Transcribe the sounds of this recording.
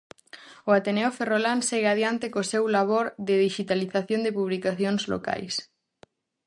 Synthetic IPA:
ʊat̪eneoferolanseɣeaðjant̪ɪkosewlaβ̞oɾðɪðiʃit̪aliθaθjõnd̪ɪpuβlikaθjoŋzlo̰ka̰js

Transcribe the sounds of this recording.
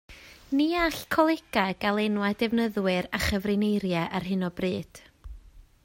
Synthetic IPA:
niaɬkʰɔlˠɛɡ̥aɡ̥alˠɛnwadɛvnəðwɪɾaχəvrɪnejɾjɛʔarɦɨnɔbrɨːd̥

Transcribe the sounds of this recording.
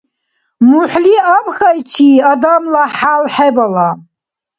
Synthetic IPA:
muħliabxajt͡ʃʰiːad̪amlaħalħɛbala

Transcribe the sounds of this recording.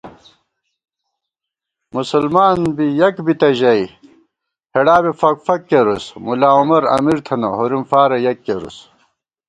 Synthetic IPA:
musɐlmaːnbijɐkbit̪ɐʑɐi | heɽaːbefɐkfɐkːeɾusmulaːumɐɾɐ̰miɾt̪ʰɐnɐɦoɾimfaːɾɐjɐkːeɾṵs

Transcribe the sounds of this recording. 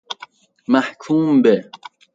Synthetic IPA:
maħkʰuːmbe

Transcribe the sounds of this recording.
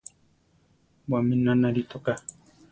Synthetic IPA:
waminanaɾit̪oqa

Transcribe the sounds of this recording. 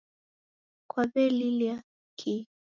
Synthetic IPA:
kwaβɛlilia | kʰi

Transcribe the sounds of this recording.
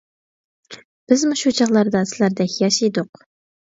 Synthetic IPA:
b̥ɪzmuʃut͡ʃʰɑʁlˠɑɾd̪ɑsɪlæɾd̪ɛkʲjɑʃijd̪ʊq

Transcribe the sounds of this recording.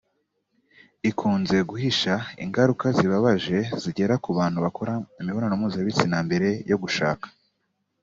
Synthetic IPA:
ikʰuːnze̞ɡuhiʃaḭŋɡaɾukaziβaβaʒe̞ziɟe̞ɾakuβaːn̥huβako̞ɾaimiβo̞ɾanomuːzaβit͡sinambe̞ɾe̞jo̞ɡuʃa̰ːkḁ

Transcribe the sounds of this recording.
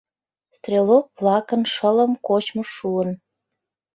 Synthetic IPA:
st̪rʲelok̚βlɑkənʃələ̆mkot͡ɕmoʃuən

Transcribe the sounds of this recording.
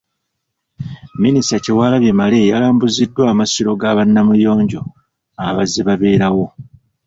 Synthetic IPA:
ministaciwaːlaβjemale̞ːjalaːmbuzidːwaːmasiɾo̞ɡaβanːamujo̞ːɲɟo̞ | aβaziβaβe̞ːɾawo̞

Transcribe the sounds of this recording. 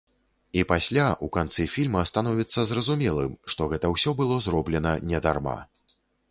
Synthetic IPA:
ipasʲlʲaʔukant̪sɨfʲilʲmɐɐst̪anɔvʲit̪sːɐzrɐzumʲɛlˠɨ̰mʂt̪ɔɣɛt̪ɐwsʲɔbɨlˠɔzrɔblʲɛnɐnʲɛd̪arma̰

